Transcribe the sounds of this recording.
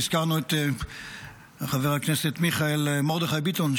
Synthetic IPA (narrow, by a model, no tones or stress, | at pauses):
iz̥kaʁnuet̪ | aχaveʁhakneset̪miχaelmoʁd̪eχajbit̪on